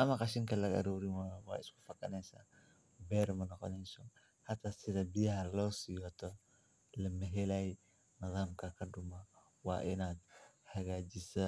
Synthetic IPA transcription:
ʔɐmɐqɑʃɪŋkɐlɐɡɐ̰ɾuːɾɪmawa̰ːɪskʊ̥fɐkɐnɛsa̰ː | bɛːɾmɐnɔqɔ̰nɛsɔ | hɐt̪ʰasɪðɐbijɐɦɐlɔːsɪjɔt̪ʰɔ | lɐmɐɦɛlaj | mɐðaːmkʰɐkʰɐdʊmɐ | wa̰ːʔɪnaːd̪̚ | hɐɣaːd͡ʒɪsɐ

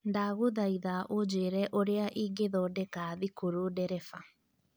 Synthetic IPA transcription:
ndaɣoðaiðaʔod͡ʑeɾɛʔoɾeaʔiːɡeðɔdɛkaðikoɾodɛɾɛfa

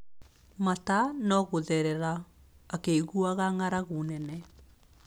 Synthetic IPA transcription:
matanɔɣoðɛɾɛɾaː | keiɣuaɣaŋaɾaɣonɛnɛ

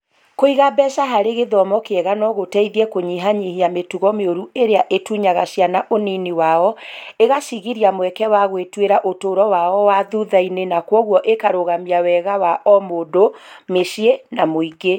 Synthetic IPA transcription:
koiɣabɛʃaɦaɾeɣeðɔmɔkeɛɣanɔɣotɛiðiɛkoɲiɦaɲiheametuɣɔmeoɾueɾeaʔetuɲaɣaɕjanaʔoniniwaɔeɣaʃiɣiɾiamwɛkɛwaɣwetweɾaʔotoːɾɔwaɔwaðuðainenakwɔɣwɔʔekaɾoɣamiawɛɣawaʔɔmodomeʃienamoiɡe

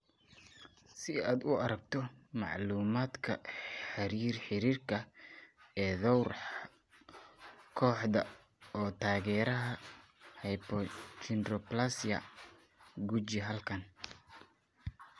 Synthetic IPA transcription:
sɪaːd̪ʊɐɾɐɡ̚t̪ʰɔmɑ̰ʕluːmaːd̪kʰɐ̰ħɑɾiːrħɪɾiːrkʰɐ | ɛːðɔwr | kʰɔːħd̪ɐ | ɔːt̪ʰaːɣɛːɾɐɦɐ | hɛjpʰɔt̪ʰɪnrɔplasjɐ̰ | ɡut͡ʃɪɦɐlkʰɐn

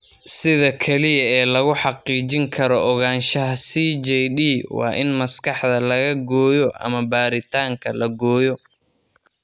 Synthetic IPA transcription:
sɪðɐkʰɛlɪjɐɛːlɐɣʊħɑqiːt͡ʃɪŋkʰɐɾɔʔɔɣaːnʃɐɦɐsiːd͡ʒɛjɗiːwɑ̰ːʔɪnmɐskɑħd̪ɐlɐɣɐɡɔːjɔʔɐ̰mɐbaːɾɪt̪ʰaːŋkʰɐlɐɡɔːjɔ

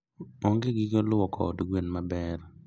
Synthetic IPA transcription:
ɔŋɡeɡɪɡɔlʊɔkʰɔ̰duɡwenmabɛr

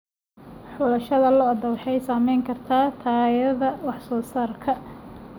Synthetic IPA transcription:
ħɔlɐʃɐðɐlɔɐd̪ɐwɑħɛjsaːmɛjŋkʰɐrt̪ʰaːt̪ʰaːjɐðɐwɑħsɔːsaːrkʰɐ

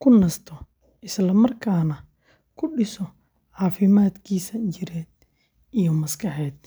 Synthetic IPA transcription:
kʰʊnɐst̪ʰɔ | ʔɪslɐmɐrkʰaːnɐ | kʰʊɖɪsɔ | ʕɑːfɪmaːd̪kʰiːsɐt͡ʃɪɾɛːd̪̚ | ʔijɔmɐskʰɐħɛːd̪

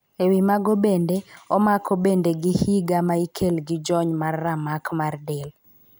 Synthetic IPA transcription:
ewimaɡobendeɔmakʰɔbendeɡɪhiɡamaikʰelɡɪd͡ʒɔɲmarːamakmardɛl

